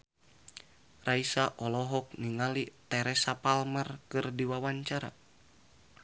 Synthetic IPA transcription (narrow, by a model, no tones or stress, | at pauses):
raisaʔɔlɔɦɔk̚niŋalit̪ɛɾɛsapalmərkɨrdiwawaɲt͡ʃaɾa̰